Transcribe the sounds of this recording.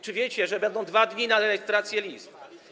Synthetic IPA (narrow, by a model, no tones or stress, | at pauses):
t͡ʂɘvʲjet͡ɕɛʐɛbɛnd̪ɔ̃w̃d̪vad̪ɲinaɾɛjɛst̪ɾat̪sʲjɛlʲisp̚